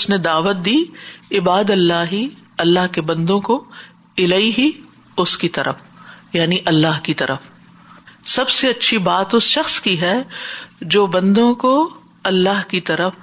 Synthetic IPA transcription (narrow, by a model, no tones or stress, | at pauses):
ʊsned̪aːʋət̪̚d̪iːɪbaːd̪ɐlːaːɦiɐlːaːɦkebɐ̃nd̪õko | ɪlaːiɦi | ʊskit̪ɐɾəfjaːniʔɐlːaːɦkit̪ɐɾəf | sɐbseɐtːʃʰibaːt̪ʊsʃɐxskiɦɛ | d͡ʒoːbɐ̃nd̪õko | ɐlːaːɦkit̪ɐɾəf